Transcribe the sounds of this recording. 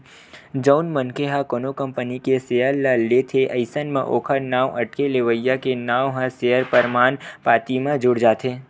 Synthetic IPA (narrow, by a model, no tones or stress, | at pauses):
d͡ʒəːnmənkʰeɦakoːnokə̃mpənikeseəɾlalet̪ʰeʔɐɪsənmḛ̃ʔoːkʰəɾnaːwʔɐʈkeleʋəjːakenaːwɦãseɦəɾpəɾmaːnpaːt̪imẽd͡ʒʊɽd͡ʒaːt̪ʰeː